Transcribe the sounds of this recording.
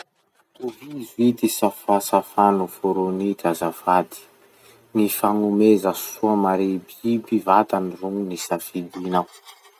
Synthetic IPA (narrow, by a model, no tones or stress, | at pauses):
uɦizuid̪isafasafanufoɾonikazavad̪i̥ | nifaŋumezəsuamaɾebibivat̪aniruŋunisafid̪inaw